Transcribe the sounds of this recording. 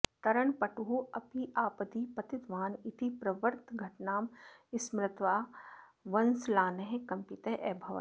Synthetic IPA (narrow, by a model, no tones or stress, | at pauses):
t̪ɐɾəɳpɐʈuɦuɐpiʔaːpɐd̪ipɐt̪ɪt̪ʋaːnit̪ʰipɾɐʋəɾt̪ɡʱɐʈnaːmɪsmɾɪt̪ʋaː | ʋɐnslaːnɐɦẽkɐ̃mpit̪eʔɛːbʱɐʋɐ̰